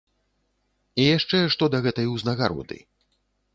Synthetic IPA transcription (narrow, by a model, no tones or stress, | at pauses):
ijaʂt͡ʂɛʂt̪ɔd̪ɐɣɛt̪ɐjwznɐɣaɾɔ̰d̪ɨ̰